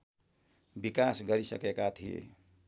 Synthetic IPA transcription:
bikasɡʌɾisə̰kekat̪ʰiḛ

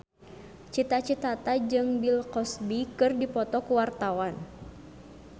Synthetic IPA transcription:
t͡ʃit̪at͡ʃit̪at̪ad͡ʒɨŋbilkɔsbikɨrdipɔt̪ɔkuwart̪awan

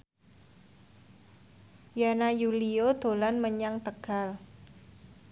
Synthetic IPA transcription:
janajuliod̪̥o̤lanməɲaŋt̪əɡ̥al

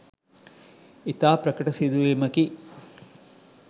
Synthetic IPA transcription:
it̪aːpɾɐkɐʈɐsid̪ueːmɐki

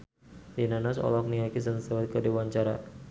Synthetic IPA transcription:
dinanɔsɔ̰lɔk̚niɦakis̬ənsawat̪̚kədewaɲt͡ʃaɾa

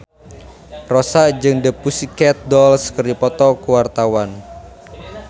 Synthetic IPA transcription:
rɔsaʔd͡ʒɨŋdəpusikɛt̪̚dɔlskərdipɔt̪ɔkəwart̪awan

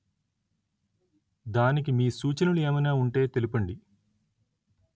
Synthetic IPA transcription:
d̪aːnik̬imiːsuːt͡ʃɐnulue̞ːmɐjnaːuɳʈe̞ːt̪e̞lipɐɳɖi

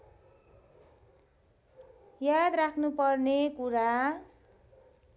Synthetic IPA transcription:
jad̪rakʰnupʌrnekuɾa

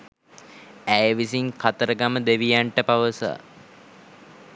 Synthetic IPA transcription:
æjəʋisiŋkʰat̪əɾəɡaməd̪eʋijaɳʈəpaʋəsa̰ː

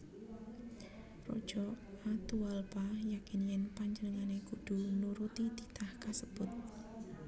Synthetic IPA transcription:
ro̰d̥ʒ̥ɔat̪ualpajakinjɛnpaɲd͡ʒənəŋaneɡud̪̥unuɾut̪id̪̥it̪ʰahkasəb̥ʊt̪̚

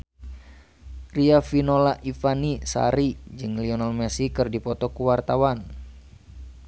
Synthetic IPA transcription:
riafinolaʔifanisa̰ɾid͡ʒɨŋliɔnalmɛsikɨrdipɔt̪ɔkuwart̪awan

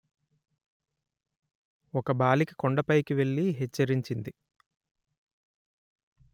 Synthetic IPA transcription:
ɔkɐbaːliki̥koɳɖɐpɐjkiʋe̞ɭːiɦɛt͡ʃːɐɾiɲt͡ʃind̪i

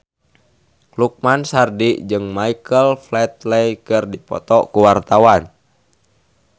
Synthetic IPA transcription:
kluk̚mansardiʔd͡ʒɨŋmaikəlflɛt̪̚lɛjkɨrdipɔ̰t̪ɔkuwart̪awan

